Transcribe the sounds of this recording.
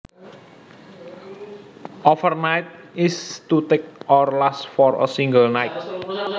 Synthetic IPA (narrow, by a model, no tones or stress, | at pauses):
ʔɔfərnajt̪̚ | ist̪ut̪ek̚ɔrlasfɔɾə̰siŋɡəlnajt̪̚